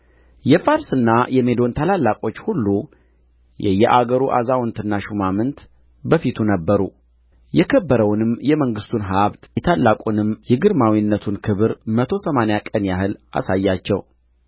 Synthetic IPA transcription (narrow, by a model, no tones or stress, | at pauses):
jɛfaɾsɨnːajɛme̞d̪o̞nt̪ʰalalːakʼo̞t͡ʃːhulːu | jɛ̰jɛʔaɡəɾuʔa̰zawnt̪ɨnːaʃumamɨnt̪ | bəfit̪ʰunəbːəɾṵ | jɛkʰəbːəɾəwnɨmjɛməŋɡɨst̪ʰunɦaβt̪jɛt̪ʰalːakʼunɨmjɛɡɨɾmawinːət̪ʰunkʰɨβɨɾmət̪ʰo̞səmanejakʼənjaɦɨlʔa̰sajːat͡ʃːɛw